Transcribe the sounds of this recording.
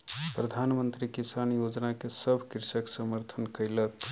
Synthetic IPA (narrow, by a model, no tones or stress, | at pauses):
pɾəd̪ʱanmənt̪ɾikisanjod͡ʒnakesəbʱkiɾsəksəməɾt̪ʰənkəjlək